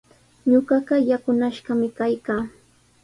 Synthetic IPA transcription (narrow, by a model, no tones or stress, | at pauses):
ɲoɢɑɢɑjakʊnaʃɢɑmɪkajkaː